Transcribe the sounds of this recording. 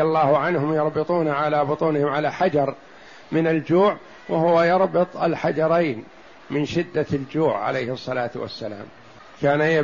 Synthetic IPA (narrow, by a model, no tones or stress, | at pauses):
alˤːɑːhʊʕanhʊmjɑɾˤbɨt̪ˤuːnaʕalaːbʊt̪ˤuːnɪhɪmʕalaħad͡ʒɑɾˤ | mɪnald͡ʒuːʕ | wahʊwajɑɾˤbɨt̪ˤalħad͡ʒɑɾˤajn | mɪnʃɪd̪ːald͡ʒuːʕʕa̰lejhsˤːɑlaːt̪wa̰sːala̰ːm | kaːnaja